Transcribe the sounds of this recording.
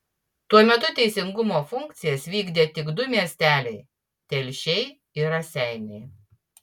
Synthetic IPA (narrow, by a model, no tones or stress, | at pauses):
t̪uɔmʲɛt̪ʊt̪ʲɛɪsʲɪŋɡʊmoːfʊŋkt̪sʲɪjɛsʋʲiːɡd̪ʲeːt̪ʲɪɡd̪ʊmʲiɛsʲt̪ʲæːlʲɛɪ | t̪ʲɛlʲʃʲɛɪ | ɪɾɐsʲɛˑɪnʲɛɪ